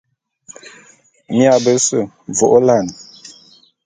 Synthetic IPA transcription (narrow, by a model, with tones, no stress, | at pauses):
mja˨bə˨˦sə˦˨ | vo˨ʔo˦la˦˨n˨